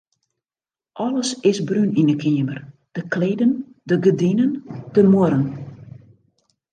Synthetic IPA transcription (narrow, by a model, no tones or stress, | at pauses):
ʔɔləsɪsbryninəkʰiəmərd̥əkʰleːdəndəɡədinənd̥əmoɾən